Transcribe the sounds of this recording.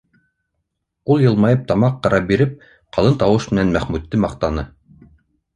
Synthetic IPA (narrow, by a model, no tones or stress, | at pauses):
ulˠjɤ̆lˠmɑjɤp̚t̪ɑmɑqːɑɾɑbiɾɘp̚ | qɑlˠɤnt̪ɑwɤʃmɘ̆nænmæχmʉt̪ːɘmɑqt̪ɑnɤ